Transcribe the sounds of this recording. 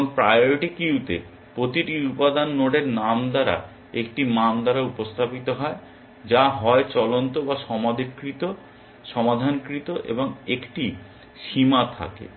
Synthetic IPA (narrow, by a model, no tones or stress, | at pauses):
ŋpɾajoɾiʈikiɦut̪e | pɾot̪iʈiupad̪anːoɖeɾnamd̪aɾa̰ | ekʈimamd̪aɾaupost̪ʰapit̪oɦɔe | d͡ʑaɦɔet͡ɕɔlont̪obaʃɔmad̪ʱikːɾit̪o | ʃɔmad̪ʱankɾit̪oʔḛboŋekʈi | ʃimat̪ʰa̰kḛ